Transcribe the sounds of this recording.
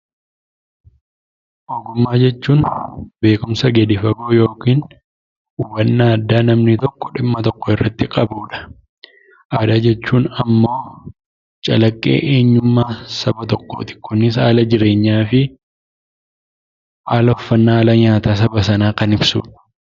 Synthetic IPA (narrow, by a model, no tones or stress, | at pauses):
ʔɔɡʊmːaːd͡ʒɛt͡ʃːuːnbe̞ːkʊmsɐɡɛd̪ɪfɐɡoːjo̞ːkiːn | uwɐnːaːɐd̪ːaːnɐmnɪt̪ɔkːɔᶑɪmːɐt̪ɔkːɔɪrːɐt̪ːɪkʼɐbuːᶑɐ̥ | ʔaːd̪aːd͡ʒɛt͡ʃːuːnɐmːo̞ː | t͡ʃʼɐlɐkʼːḛːʔeːɲːʊmːaːsɐbɐt̪ɔkːo̰t̪ɪ̥kːʊnːɪsaːlɐd͡ʒɪɾe̞ːɲːaːfɪ | ʔaːlɐɔfːɐnːaːlɐɲaːt̪aːsɐbɐsɐnaːkɐnɪbsṵːᶑɐ̥